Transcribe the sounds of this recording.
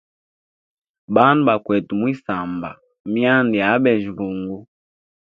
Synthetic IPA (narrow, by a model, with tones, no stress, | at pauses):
ɓa˦nu˨ba˨kwɛ˨tu˨mwi˦sa˨mba̰˨ | mi˦a˦ndi˨a˨˦ɓɛ˨ʒi˨ɡu˨ŋɡu˦